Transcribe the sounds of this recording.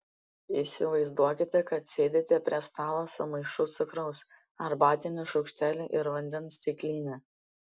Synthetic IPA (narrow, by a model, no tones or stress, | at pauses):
isʲɪʋɐɪzd̪uɔkʲɪt̪ʲɛkɐt̪sʲeːd̪ʲeːt̪ʲɛpʲɾʲiɛst̪ɑːlˠosʊmɐɪʃʊt̪sʊkɾɐʊs | ɐɾbɑːt̪ʲɪnʲʊʃɒʊkʃʲt̪ʲæːlʲuʔɪɾʋɐnʲd̪ʲɛnst̪ʲɪklʲiːnʲɛ